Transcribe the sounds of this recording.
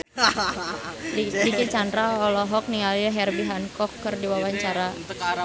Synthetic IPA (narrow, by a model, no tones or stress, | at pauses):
lilikit͡ʃandɾaɔlɔɦɔk̚niŋɡalaɦɛrbiɦankɔkːərdiwawaɲt͡ʃaɾaəka